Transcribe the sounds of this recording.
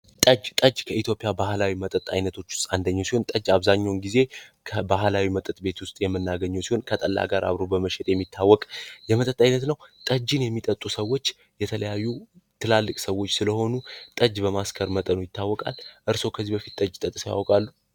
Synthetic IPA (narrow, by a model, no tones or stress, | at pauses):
t̪ʼəd͡ʒt̪ʼəd͡ʒkʰəit̪jo̞pʼijabahlawimət̪ʼət̪ʼa̰jnət̪ʰo̞t͡ʃːwʊ̥st̪ʼand̪əɲːawsiho̞nt̪ʼəd͡ʒaβzaɲːawnɡize̞kʰəbahlawimət̪ʼət̪ʼbe̞t̪wʊst̪ʼjɛmːɨnːaɡəɲːəwsiho̞nkʰət̪ʼəlːa̰ɡaɾʔa̰βɾo̞bəməʃɛt̪ʼjɛmːit̪ʰːawːɔkʼjɛmət̪ʼət̪ʼajnət̪nəwt̪ʼəd͡ʒɨnjɛmːit̪ʼət̪ʼːusəwːo̞t͡ʃː | jɛt̪ʰələjajːut̪ʰɨlalːɨkʼsəwo̞t͡ʃːsɨləho̞nut̪ʼəd͡ʒbəmaskʰəɾmət̪ʼənujɪt̪ʰːawːɔkʼa̰lʔɨɾso̞wkʰəzːibəfit̪̚t̪ʼəd͡ʒt̪ʼət̪ʼsja̰wkʼalːu